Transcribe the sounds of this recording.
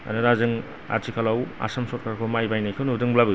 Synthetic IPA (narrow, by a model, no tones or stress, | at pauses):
a̰nɯɾazɯŋ | a̰tʰikʰalawa̰sɐmsot̚kʰaɾkʰomajbajnajkʰɯnudɯŋblabɯ